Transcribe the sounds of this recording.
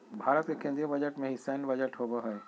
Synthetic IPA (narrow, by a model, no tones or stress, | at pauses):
bʱaːɾət̪̚kekẽːnd̪ɾijõbɐd͡ʑəʈmẽɦisaɪnbɐd͡ʑəʈɦoboɦəe